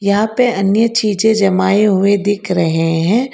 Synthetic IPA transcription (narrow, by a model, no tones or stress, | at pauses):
jɐɦãpeɐnjət͡ʃiːd͡ʒẽd͡ʒɐmaːeɦʊed̪ɪkʰɾɐɦeɦɛ̃ː